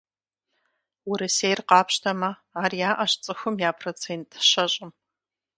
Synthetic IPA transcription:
wʊɾɨsejrqɑːpʰɕtʰɐmɐ | aːrijaːʔɐɕt͡sʼɨxʷʊmjaːpʰrot͡sʰentʰʼʃɐɕʼɪm

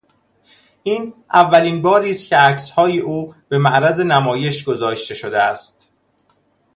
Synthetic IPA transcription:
ʔiːnʔævːæliːnbɒːɾiːst̪cʰʲe̞æcshɒːjeʔuːb̥e̞mæʔɾæze̞næmɒːje̞ʃɡo̞zɒːʃt̪e̞ʃo̞d̪eæst̪

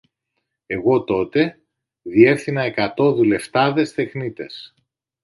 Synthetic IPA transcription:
e̞ɣo̞t̪o̞t̪e̞ | ðie̞ɾθinɐe̞kɐt̪o̞ðule̞ft̪ɐðe̞st̪e̞xnit̪ḛs

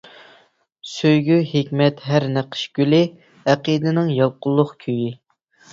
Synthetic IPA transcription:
søjɡʲyhekʲmɛt̪ɦæɾnæqʰə̥ʃɡʲylɪ | æqəd̪ɪnɪŋjɑlˠqʊlˠːʊχkʲʰøji

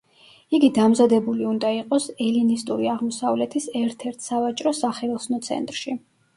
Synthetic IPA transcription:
iɡid̪amzad̪ɛbuliund̪aiqʼɔsɛlinist̪ʼuɾiaʁmɔsavlɛt̪ʰisɛɾt̪ʰɛɾt̪ʰsavat͡ʃʼɾɔsaχɛlˠsnɔt̪sʰɛ̰nt̪ʼɾʃi

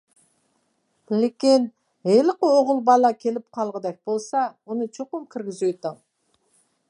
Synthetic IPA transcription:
b̥ɪlekʲen | elɪqəoʁəlˠbɑlˠɑkʲʰe̞lɪp̚qʰɑlˠʁəd̪ɑk̚bolˠsɑwonət͡ʃʰoqʊmkʲʰɪɾɡʲɪzut̪ɪŋ

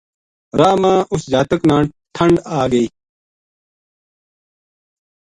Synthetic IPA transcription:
ɾaːmãːʔusd͡ʑaːt̪ɐknãː | ʈʰɐɳɖaːɡɐi

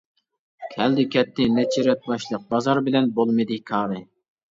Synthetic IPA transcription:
kʲʰɛld̪ɪkʲɛt̪ːɪnɛt͡ʃʰiɾɛt̪̚bɑʃlˠəq̚bɑzɑɾbɪlɛnbolˠmɨd̪ɪkʰɑːɾɨ

